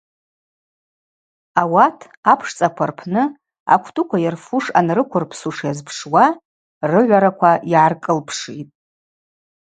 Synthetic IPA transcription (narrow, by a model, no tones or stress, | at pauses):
awatʰ | apʰʂt͡sʼakʷʰarpʰnɨ | a̰kʷʰtʰʼʊkʷʰajarfuʂa̰nrɨkʷʰʊrpʰsuʂjazpʰʂwa | rɨʕʷaɾakʷʰaiʕarkʼɨlpʰʂitʼ